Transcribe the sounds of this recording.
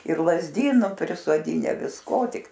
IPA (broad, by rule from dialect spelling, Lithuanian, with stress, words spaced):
ɪr lˠɐzʲˈdʲiːnʊ pʲrʲɪsoːˈdʲiːnʲɛ ʋʲɪsˈkoː ˈtʲɪk